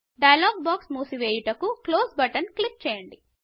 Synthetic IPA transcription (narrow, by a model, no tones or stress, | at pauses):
ɖɐjɐlaːɡ̚baːksmuːsiʋeːjuʈɐkukloːsbɐʈɐnklip̚t͡ʃɛːjɐɳɖi